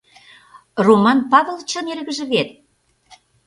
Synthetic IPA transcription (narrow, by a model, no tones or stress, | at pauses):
romɑnpɑβɤ̆lˠt͡ɕɤ̆nerɣə̆ʒə̆βet̪̚